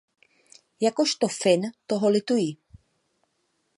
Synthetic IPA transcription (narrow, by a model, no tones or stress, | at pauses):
jakoʃt̪ofɪnt̪oɦolɪt̪ujiː